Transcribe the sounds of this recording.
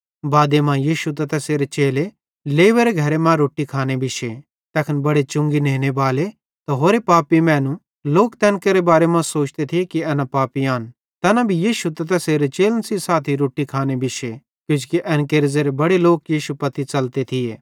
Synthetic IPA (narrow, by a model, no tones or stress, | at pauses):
baːd̪emãːjiːʃut̪ɐt̪ɛseːɾet͡ʃeːle | leːʋeɾeɡʱɐɾemãɾoːʈikʰaːnebɪʃe | t̪ɛːkʰənbɐɽet͡ʃʊ̃ŋɡineːnebaːle | t̪aɦoːɾepaːpimɛ̃ːnũ | loːkt̪ɛːnkeɾebaːɾemãsoːt͡ʃt̪et̪ʰiekiɛːnapaːpiaːn | t̪ɛːnabʱijiːʃut̪ɐt̪ɛseːɾet͡ʃeːlənsisaːt̪ʰiɾoːʈikʰaːnebɪʃe | kjʊ̃d͡ʒkiʔɛːnkeɾzeɾebɐɽeloːkjiːʃupɐt̪it͡ʃɐlt̪et̪ʰɪjeː